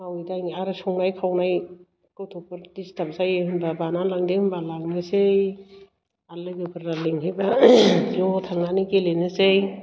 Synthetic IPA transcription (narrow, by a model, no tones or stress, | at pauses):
awjdajiaɾɯsɔŋnajkʰawnaj | kɔtʰɔpʰɯɾdistap̚sajehɯnbabanalaŋdehɯnbalaŋnɯsej | alɯjɡɯpʰɯɾaliŋɦɯjbazɔtʰaŋnanikelenɯsej